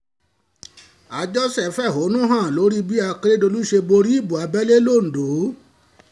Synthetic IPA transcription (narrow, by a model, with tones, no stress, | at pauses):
a˨˧d͡ʒɔ˦sɛ˦˨fɛ˦˨ɦo˨˦nũ˦ɦã˦˨lo˨˦ɾi˦bi˦a˧kɾe˦do˧lu˦ʃe˧bo˧ɾi˦i˦˨bu˨a˨˧˦bɛ˦le˦lo˦˨n̩˨do˨˦